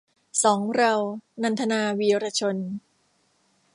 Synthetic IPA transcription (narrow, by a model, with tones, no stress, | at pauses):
sɔː˩˦ŋɾa˧wna˧nt̪ʰa˧naː˧wiː˧ɾa˧t͡ɕʰo˧n